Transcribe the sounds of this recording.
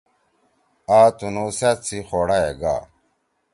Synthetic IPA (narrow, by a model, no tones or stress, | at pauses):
aːt̪unuset͡sʰixoːɽaeɡa̰ː